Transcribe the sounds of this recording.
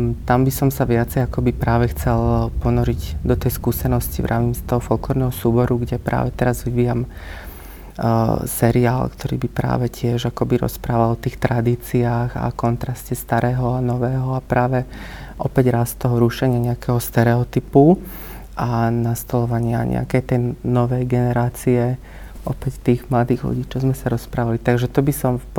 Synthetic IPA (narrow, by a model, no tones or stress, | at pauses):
t̪ambisɔmsaʋɪat͡sɛjakɔbipɾaːʋɛxt͡sɛlpɔnɔɾiɟd̪ɔt̪ɛjskuːsɛnɔscivɾʔaʋimst̪ɔɦɔfɔlklɔɾnɛɦɔsuːbɔɾuɡɟɛpɾa̰ːʋɛt̪ɛɾazʋiʋiːjam | sɛɾiaːlkt̪ʰɔɾḭːbipɾa̰ːʋɛcɪɛʒakɔbiɾɔ̰spɾaːʋalɔt̪iːxt̪ɾad̪iːt͡siaːɣa̰kɔnt̪ɾascɛst̪aɾɛːɦɔanɔʋɛːɦɔapɾaːʋɛ | ʔɔpɛɟɾast̪ɔɦɔɾuʃɛɲɪaɲɛakɛɦɔst̪ɛɾɛɔt̪ipu | ʔanast̪ɔlɔʋaɲɪaɲɛ̰a̰kɛjt̪ɛjnɔʋɛjɡɛnɛɾaːt͡siɛ | ʔɔpɛct̪iːɣmlad̪iːɣlṵɟiːt͡ʃɔzmɛsaɾɔspɾaːʋalit̪aɡʒɛt̪ɔbisɔm